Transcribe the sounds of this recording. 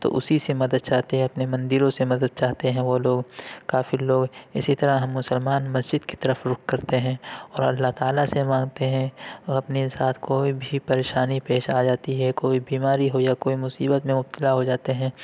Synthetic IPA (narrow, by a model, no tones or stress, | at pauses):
t̪o̰ʔʊsisemɐd̪əd̪̚t͡ʃaːɦt̪eɦɛ̃ɐpnemɐ̃nd̪iɾõsemɐd̪əd̪̚t͡ʃaːɦt̪eɦɛ̃ʋoloːɡkaːfiloːɡɪsit̪ɐɾaɦɐ̃mːʊsəlmaːnmɐsd͡ʒɪd̪ke̥t̪ɐɾəfɾʊkʰkɐɾt̪eɦɛ̃ːɔːɾɐ̰lːaɦt̪aːlasemãːŋɡt̪eɦɛ̃ɔːɾɐpnesaːt̪ʰkoːibʱipɐɾeːʃaːnipeːʃaːd͡ʒaːt̪iɦɛkoːibiːmaːɾiɦojakoːimʊsiːbət̪mẽmʊb̚t̪ɪlaɦod͡ʒaːt̪eɦɛ̃ː